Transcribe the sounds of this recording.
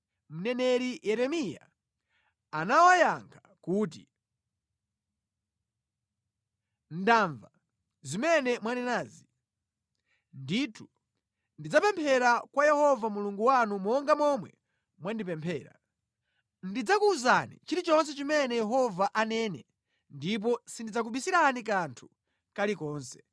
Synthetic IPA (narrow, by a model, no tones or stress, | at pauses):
m̩nɛnɛɾijɛɾɛmija̰ | anawajaŋkʰḁ | kuːt̬ḭ | n̩daːɱva | zimɛnɛmwanɛnaːzi | nditʰu̥ | ndid͡zapɛmpʰɛɾakwajɛhɔvamuluŋɡuwanumɔŋɡamɔmwɛ̰ | mwandipɛmpʰɛːɾa̰ | ndid͡zakuːzanḭt͡ʃiɾit͡ʃɔns̬ɛt͡ʃimɛnɛjɛɦɔvaʔanɛnɛ̰ | ndip̬ɔsindid͡zak̬uɓisiɾanik̬antʰu̥ | kalikɔːnsɛ̥